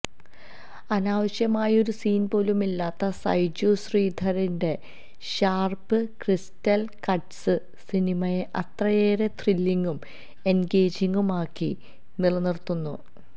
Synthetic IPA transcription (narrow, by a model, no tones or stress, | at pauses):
ɐnaːʋɐɕjɐmaːjo̞ɾusiːnpo̞ːlumilːaːt̪ːɐsɐ̰jd͡ʑoːsriːd̪ʱɐɾinde̞ | ɕaːrpɨkristɐlkɐʈsɨ | sinimɐjeʔɐt̪rɐjeːɾe̞t̪rilːiŋɡum | e̞nɡeːd͡ʑiŋɡumaːkːi | niɭɐnirt̪ːunːṵ